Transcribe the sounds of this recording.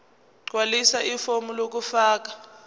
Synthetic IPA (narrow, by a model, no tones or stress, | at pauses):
ǃwalisaʔifomulok̬ufaːk̬a